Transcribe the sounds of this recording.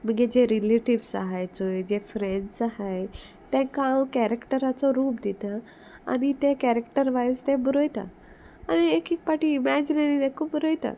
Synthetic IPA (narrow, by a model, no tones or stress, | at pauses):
m̤əɡed͡ʑeɾileʈiʋsa̰ɦajt͡sojd͡ʑefɾenɖsahaj | t̪ɛ̃kawkæɾekʈəɾat͡sɔɾuːpd̪it̪a | a̰nit̪ekæɾekʈəɾʋajst̪eɛ̃bəɾojt̪a̰ | aniekiːk̚paʈiːmɛd͡ʑinenid̪ekʰubbəɾojt̪a̰